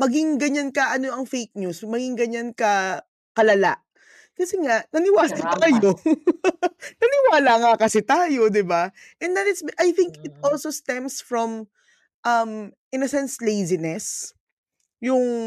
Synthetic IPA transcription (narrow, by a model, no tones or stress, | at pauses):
mɐɡɪŋɡɐɲankɐʔɐnoɐŋfejk̚ɲusmɐɡɪŋɡɐɲankɐ | kɐlɐla̰ʔ | kɐsɛŋaʔnɐnɪwaːɐt̪aːjo | nɐnɪwaːlaŋakɐsɛt̪aːjo̞d̪ɪba | ʔɛnd̪ɐt̪ɪt̪sʔɐjθɪŋkɪt̪̚ʔolsost̪ɛmsfɹɔm | ʔɐmʔɪnɐsɛnslejzɪnɛs | jʊŋ